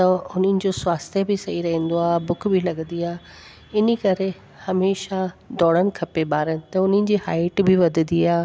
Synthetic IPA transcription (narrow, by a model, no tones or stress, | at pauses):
t̪ɐʊn̤ənɪ̆d͡ʑoswaːst̪ebɪsɐɦiɾɐɦẽːn̆d̪oaːbʊkʰbʱɪlɐɡə̃nd̪iaː | ɪnikɐɾe | hɐmeːʃad̪ɔːɽ̤əñɪ̆kʰɐpebaːɾənɪ̆t̪ɐʊn̤ənɪ̆d͡ʑiːhaːɪʈbɪʋɐd̪ʱənd̪iaː